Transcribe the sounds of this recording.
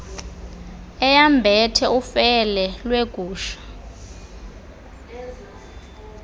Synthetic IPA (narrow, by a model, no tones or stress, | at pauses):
ɛjambʱɛtʰɛufɛlɛlweɡ̥ʱuːʃḁ